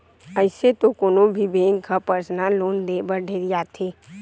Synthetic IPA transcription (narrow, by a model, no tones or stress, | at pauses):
əɪset̪okoːnõbʱibẽːŋɡkapəɾsnaloːnd̪eːbəɾɖʱeːɾɪjat̪ʰeː